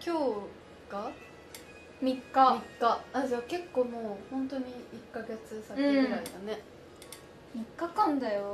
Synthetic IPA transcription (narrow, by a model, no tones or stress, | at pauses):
kʲo̞ː | ɡ̥a | mʲikːamikːaad͡ʑake̞kːo̞ːmoːhõ̞nt̪o̞ɲ̟iikːaɡe̞t͡sɨsakeɡɯ̟ɾaid̪ane̞ | mikːakãnd̪ajo